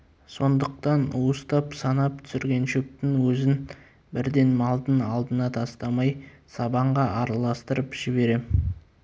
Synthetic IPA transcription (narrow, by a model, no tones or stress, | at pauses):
so̞nd̪əq̚t̪ɑnust̪ɑpsɑnɑp̚t̪ʰʏ̥sɪɾɡʲe̞nʃɵp̚t̪ɪŋwɵzɪn | bɪɾd̪e̞nmɑlˠd̪ənɑlˠd̪ənɑt̪ʰɑst̪ɑmɑj | sɑbɑɴʁɑʔɑɾɑlˠɑst̪əɾəpʒ̥ɪbe̞ɾe